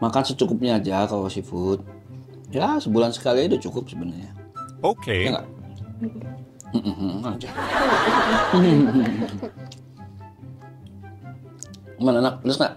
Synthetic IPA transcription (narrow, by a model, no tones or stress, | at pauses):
makansət͡ʃukʊp̚ɲaːd͡ʒakalosifʊt̪̚ | jasəbulansə̥kalidut͡ʃukʊp̚səbənarɲa | okeaŋɡa̰ʔ | ɦad͡ʒa | mananak̚ələsŋaʔ